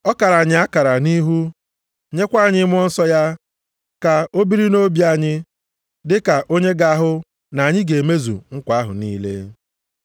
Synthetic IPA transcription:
ɔ˦ka˨ɾa˨ɲɪ˨˦a˦ka˨ɾa˨ni˦ɦu˦ | ɲe˦kʷa˦˨ɲɪ˦m˦ɔ˦n̩˦sɔ˦ja˦ | ka˨o˦bi˦ɾi˦no˦bja˦˨ɲɪ˦ | dɪ˦ka˨ʔo˦ɲe˦ɡa˨a˦ɦʊ˦ | na˨a˨ɲɪ˦ɡe˨me˦zṵ˨ŋ̩˦kʷa˨˦ɦʊ̰˨niː˦lḛ˦

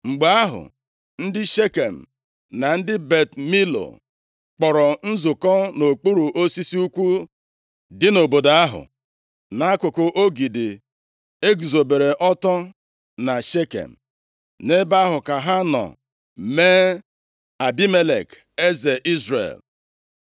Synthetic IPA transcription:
ŋ͡m̩˨ɡ͡ba˦a˦ɦʊ̰˨ | n̩˦dɪ˦ʃe˦ke˨m̩˨ | na˨n̩˦dɪ˦be˨tmi˦lo̰˨ | k͡pɔ˨ɾɔ˨n̩˦zʊ˨kɔ˦no˨k͡pu˦ɾu˨ʔo˦si˦si˦u˦kʷu˦ | dɪ˦no˨bo˨da˦ɦʊ̰˨ | na˨˦a˦kʊ˨kʊ˨ʔo˦ɡi˨dɪ˨ | e˦ɡzo˨be˨ɾe˨ʔɔ˦tɔ˦ | na˨ʃe˦kḛ˨m̩˨ | ne˦ba˦a˦ɦʊ˨ka˨ɦa˦nɔ̰˨ | me˦ | a˨bi˦me˦lḛ˨k | e˦ze˨ʔi˦zɾḛ˨l

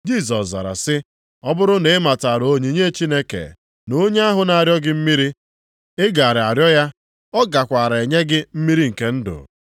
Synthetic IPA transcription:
d͡ʒi˦˨s̬ɔ˨sza̰˨ɾa̰˨sɪ˦ | ɔ˦bʊ˦ɾʊ˦ne˨ɪ˦ma˨ta˨ɾo˦ɲi˨ɲe˦t͡ʃi˦ne˦kḛ˨ | no˦ɲe˦a˦ɦʊ˨na˨a˨ɾjɔ˦ɡɪ˦m̩˦mi˦ɾi˦ | ɪ˦ɡa˨ɾa˨ɾjɔ˦ja˦ | ɔ˦ɡa˨kʷa˨ɾa˨e˨ɲe˦ɡɪ˦m̩˦mi˦ɾi˦ŋ̩˨ke˦n̩˦dʊ̰˨

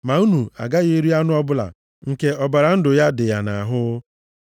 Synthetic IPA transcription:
ma˨u˦nu˨a̰˨ɡa˦ɣe˦ɾi˦a˦nʊ˦ɔ˦bʊ˦la̰˨ | ŋ̩˨ke˦ɔ˨ba˨ɾa˨n̩˦dʊ˨ja˦dɪ˨ja˨na˨ɦʊ˦

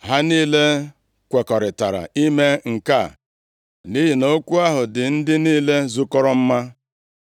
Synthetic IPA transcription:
ɦa˦niː˦le˦ | kʷe˨kɔ˨ɾɪ˨ta˨ɾa̰˨i˦me˦ŋ̩˨ka˦˨ | ni˦ɦi˨no˦kʷu˦a˦ɦʊ˨dɪ˨n̩˦dɪ˦niː˦le˦zu˦kɔ˦ɾɔ˦m̩˦ma˦

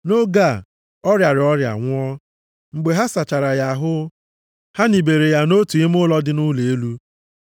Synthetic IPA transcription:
no˦ɡa˦˨ | ɔ˦ɾja˨ɾɪ˨ɔ˦ɾja̰˨ŋʷʊ˦ɔ˦ | ŋ͡m̩˨ɡ͡be˨ɦa˦sa˨t͡ʃa˨ɾa˨ja˨a˨ɦʊ˦ | ha˦ni˨be˨ɾe˨ja˦no˦tu˨i˦m˦ʊ˦lɔ˦dɪ˦nʊ˦le˨e˦lu˦

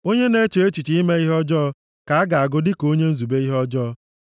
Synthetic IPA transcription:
o˦ɲe˦ne˦t͡ʃo˨e˦t͡ʃi˨t͡ʃi˦i˦me˦i˦ɦɔ˦d͡ʒɔ˦ | ka˨a˦ɡa˨a˨ɡʊ˦dɪ˦ko˦ɲe˦n̩˦zu˨be˦i˦ɦɔ˦d͡ʒɔː˦

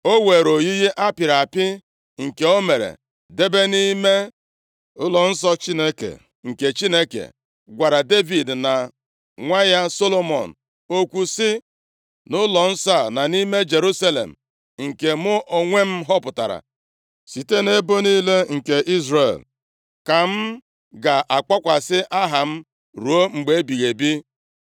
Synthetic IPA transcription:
o˦we˨ɾo˨ji˦ɦi˦ʔa˦pɪ˨ɾa˨pɪ˦ | ŋ̩˨ke˨o˦me˨ɾḛ˨ | de˦be˦ni˦me˦ | ʊ˦lɔ˨n̩˦sɔ˦t͡ʃi˦ne˦kḛ˨ | ŋ̩˨ke˨t͡ʃi˦ne˦kḛ˨ | ɡʷa˨ɾa˨de˦vi˨dna˨ | ŋʷa˦ja˦so˦lo˦mɔ̰˨n̩˨ | o˦kʷu˨sɪ˦ | nʊ˦lɔ˨n̩˦sa˦˨na˨ni˦me˦d͡ʒe˨ɾu˦sa˦lḛ˨m̩˨ | ŋ̩˨ke˨mʊ˦ʔo˨ŋʷe˦m̩˦ɦɔ˦pʊ˨ta˨ɾa̰˨ | si˨te˦ne˦bo˦ni˦le˦ŋ̩˨ke˨ʔi˦zre˨l | ka˨m̩˦ | ɡa˨ʔa˨k͡pa˦kʷa˨sɪ˦ʔa˦ɦa˨m̩˦ | ɾu˨˦o˦ŋ͡m̩˨ɡ͡be˦bi˨ɣe˨bi˦

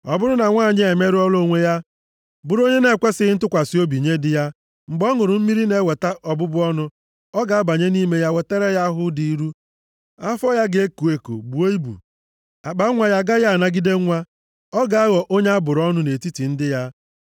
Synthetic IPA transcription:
ɔ˨bʊ˦ɾʊ˦na˨ŋʷaː˦˨ɲɪ˦e˨me˦ɾi˦ɔ˦lo˦˨ŋʷe˦ja˦ | bʊ˨ɾo˦ɲe˦ne˨kʷe˦sɪ˦ɪ˦n̩˦tʊ˦kʷa˨sɪ˨˦o˦bi˨ɲe˦dɪ˦ja˦ | ŋ͡m̩˨ɡ͡bɔ˦ŋʊ˨ɾʊ˨m̩˦mi˦ɾi˦ne˦we˨ta˦ʔɔ˨bʊ˦bʊ˦ɔ˦nʊ˦ | ɔ˦ɡa˨a˦ba˨ɲe˦ni˦me˦ja˦we˨te˦ɾe˦ja˦ɦʊ˦di˨˦ɾu˦ | a˦fɔ˦ja˦ɡe˦ku˨e˨ko̰˨bu˨˦e˦i˦bṵ˨ | a˨k͡pa˦ŋʷa˨ja˦ɡa˦ja˦a˨na˦ɡi˦de˦ŋʷa˦ | ɔ˦ɡa˨a˦ɣɔ˨ʔo˦ɲe˦a˦bʊ˨ɾɔ˦nʊ˦ne˨ti˦ti˨n̩˦dɪ˦ja˦

